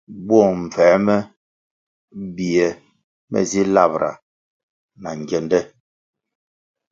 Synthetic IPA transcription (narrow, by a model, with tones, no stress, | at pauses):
bɔ˦˨m̩˨fɛː˨˦mɛ˦ | bi˨ɛ˨ | mɛ̰˨zi˦la˦˨bɾʔa̰˨ | na˨ŋ˨ɡɛ˨ndɛ˦